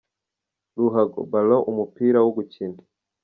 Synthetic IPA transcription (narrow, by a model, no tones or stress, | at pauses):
luɦaɡɔ̰baloʔumupiɾawoɡucindi